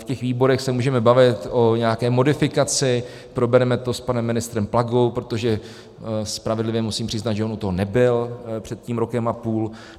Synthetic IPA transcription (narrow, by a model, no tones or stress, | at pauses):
fcɛxviːbo̞ɾɛxsɛmuːʒɛmɛbavɪt̪ʔo̞ɲɛakɛːmo̞dɪfɪkat͡sɪ | pɾo̞bɛɾɛmɛt̪o̞spanɛmːɪnɪst̪ɾɛmplaɡo̞wpɾo̞t̪oʒɛ | spɾavɛdlɪvjɛmusiːmpr̝̥ɪznad̪ʒɛʔonut̪oɦo̞nɛbɪlpr̝̥ɛt̪̚ciːmɾokɛmapuːl